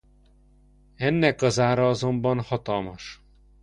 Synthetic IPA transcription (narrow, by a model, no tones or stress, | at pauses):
ɛnːɛkɒzaːɾɒɒzo̞mbɒnhɒt̪ɒlmɒʃ